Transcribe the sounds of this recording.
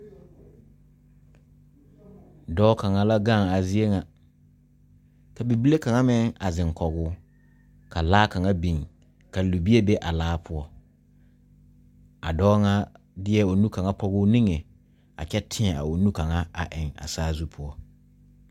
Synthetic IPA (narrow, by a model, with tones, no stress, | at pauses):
dɔː˦ka˨ŋa˨la˦ɡa˦˨a˨zi˦e˦ŋa˨ | ka˨bi˨bi˦le˦ka˨ŋa˦mɪ˦ŋa˨zɪ˨ŋkʰɔ˨ɣʊː˦ | ka˨laː˦ka˨ŋa˦bi˨ŋ | ka˨lu˨bi˦e˦be˦ʔa˨laː˦pʰʊ˦ɔ˦ | a˨dɔː˦ŋa˦ | dɪ˦ɛ˦o˨nũ˦ka˨ŋa˦pɔ˦ɣʊː˦nĩ˦ŋe˨ | a̰˨t͡ʃɛ˦tʰɪ˦ɛ˨a̰˨o˨nũ˦ka˨ŋa˦a̰˨ʔɪ˨ŋa̰˨saː˦zu˦pʰʊ˦ɔ˦